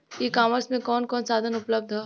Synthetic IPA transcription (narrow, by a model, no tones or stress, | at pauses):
ikaːməɾsmẽkɔːnkɔːnsaːd̪ʱənʊpləb̚d̪ʱɦɛ